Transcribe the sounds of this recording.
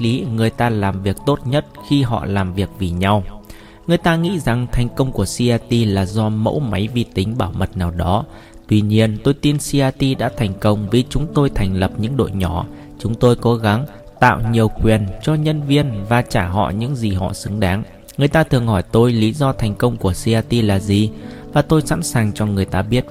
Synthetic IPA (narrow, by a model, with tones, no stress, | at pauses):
li˨˦ŋɨ˨˩əjt̪aː˧laː˨˩mvi˨˩ək̚t̪o˦˥t̚ɲə˦˥t̚xi˧ɦɔ̰˧˨laː˨˩mvi˨˩ək̚vi˨˩ɲa˧w | ŋɨ˨˩əjt̪aː˧ŋḭ˧˥za˨˩ŋt̪ʰa˨˩jŋ̟kə˧wŋ͡mku˧˩əsi˧ʔaː˧t̪i˧laː˨˩zɔ˧mo̰˧˥wma˨˦jvi˧˩t̪ï˨˦ŋ̟ɓaː˧˩wmə˨˩t̚naː˨˩wɗɔ˨˦ | t̪wi˧ɲi˧ənt̪o˧jt̪i˧nsi˧aː˧t̪i˧ɗa̰ː˧˥t̪ʰɛ˨˩jŋ̟kə˧wŋ͡mvi˨˩t͡ɕʊ˨˦ŋ͡mt̪o˧jt̪ʰɛ˨˩jŋ̟lə˨˩p̚ɲɨ̰˧˥ŋɗo̰˧˨jɲɔ˧˩ | t͡ɕʊ˨˦ŋ͡mt̪o˧jko˨˦ɣa˨˦ŋ | t̪a̰ː˧˨wɲi˨˩əwkwi˨˩ənt͡ɕɔ˧ɲə˧nvi˧ənvaː˨˩t͡ɕaː˧˩ɦɔ̰˧˨ɲɨ̰˧˥ŋzi˨˩ɦɔ̰˧˨sɨ˨˦ŋɗaː˨˦ŋ | ŋɨ˨˩əjt̪aː˧t̪ʰɨ˨˩əŋhɔ˧˩jt̪o˧jli˨˦zɔ˧t̪ʰɛ˨˩jŋ̟kə˧wŋ͡mku˧˩əsi˧aː˧t̪i˧laː˨˩zi˨˩vaː˨˩t̪o˧jsa̰˧˥nsaː˨˩ŋt͡ɕɔ˧ŋɨ˨˩əjt̪aː˧ɓi˦˥ət̚